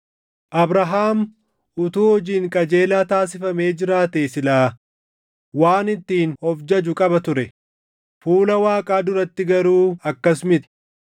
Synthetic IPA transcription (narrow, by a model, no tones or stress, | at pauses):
ʔɐbɾɐɦaːm | ʊt̪uːhɔd͡ʒiːŋkʼɐd͡ʒe̞ːlaːt̪aːs̬ɪfɐme̞ːd͡ʒɪɾaːt̪esɪlaː | waːnɪt̪ːiːnhɔfd͡ʒɐd͡ʒʊkʼɐbɐt̪ʊɾɛ | fuːlɐwaːkʼaːd̪ʊɾɐt̪ːɪɡɐɾuːɐkːɐsmɪt̪ɪ̥